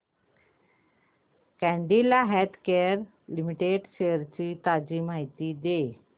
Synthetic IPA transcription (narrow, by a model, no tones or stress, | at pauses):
kɛ̃ɳɖilaɦɛt̪ʰkejəəɾ | limiʈeɖɕeəɾt͡ɕiːt̪ad͡ʑiːmaɦit̪iːd̪e